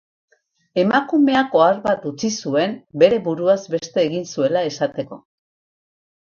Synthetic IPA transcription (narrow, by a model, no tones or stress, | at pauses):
e̞makume̞ako̞aɾβat̪ut͡sisue̞mbe̞ɾe̞βuɾuazbe̞st̪e̞ːɣinsue̞lae̞sat̪e̞ko̞